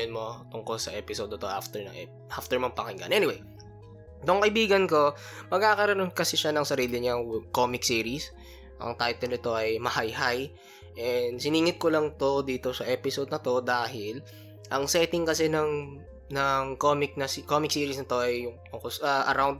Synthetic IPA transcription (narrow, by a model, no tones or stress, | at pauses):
onmo̞t̪ʊŋko̞lsɐʔɛpɪsod̪nɐt̪oʔa̰ft̪ɛɹnɐ̰ɛ | ʔaft̪ɛɹmɐŋpɐŋɪŋɡa̰nʔɛnɪwej | t̪oŋkɐʔɪbiːɡɐnko̞ | mɐɡ̚kaːkɐɾɐnonkɐsɛʃanɐŋsɐɾiːlɪɲɐŋkoːmɪksiːɾis | ʔɐ̰ŋt̪ajt̪ɛlɪt̪o̞ʔɐjmɐhajhaj | ʔɛnsɪniːŋɪt̪̚kolɐŋt̪o̞d̪iːt̪o̞sɐʔɛːpɪsod̪nɐt̪o̞d̪aːɦɪl | ʔɐŋsɛːt̪ɪŋkɐsɛnɐŋ | nɐŋkoːmɪk̚nɐskomɪksiːɾisnɐt̪o̞ʔɐjʊŋt̪ʊŋkosɐʔɐɾawnd̪̚